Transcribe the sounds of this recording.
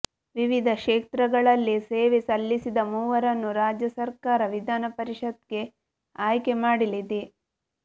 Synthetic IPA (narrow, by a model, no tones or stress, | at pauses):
ʋiʋid̪ʱɐʃeːt̪ɾɐɡɐɭɐlːise̞ːʋesɐlːisid̪ɐmuːʋɐɾɐnːuɾaːd͡ʒjɐsɐɾkaːɾɐʋid̪ʱaːnɐpɐɾiʂɐd̪̚ɡe̞ | aːjkemaːɽilid̪i